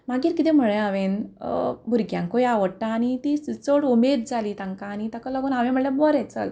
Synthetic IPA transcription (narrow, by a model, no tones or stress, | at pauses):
maɡiːɾkit̪ɛm̤əɭẽaʋen | bʱuɾɡjãŋkojaʋəɽʈaːnit̪ist͡soɽumed̪̚d͡zʱaliːt̪ãŋkaːnit̪akaləɡuːnaʋẽm̤əɽljabɔɾɛt͡sə̰l